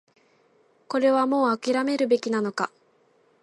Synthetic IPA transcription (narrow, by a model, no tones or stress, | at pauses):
ko̞ɾe̞βamo̞ːakʲiɾame̞ɾɯ̟be̞kʲinano̞ka